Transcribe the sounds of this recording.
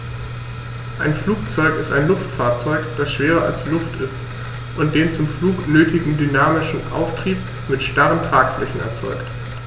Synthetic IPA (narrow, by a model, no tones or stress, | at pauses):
ʔaɪnfluːk̚t͡sɔʏkɪstaɪnlʊftfaːɐt͡sɔʏkd̥asʃv̥eːʁɐa̰lslʊftʰɪst | ʔʊnt̚d̥eːnt͡sʊmfluːknøːtʰɪɡŋ̩dynaːmɪʃn̩ʔa̰ʊftʁ̥iːp̚ | mɪtʃtaʁəntʁ̥aːkflɛçn̩ɛ̰ɐt͡sɔʏkt